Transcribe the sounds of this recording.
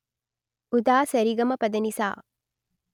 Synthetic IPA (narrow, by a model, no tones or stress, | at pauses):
ud̪aːsɐɾiɡɐmɐpɐd̪ɐnisa̰ː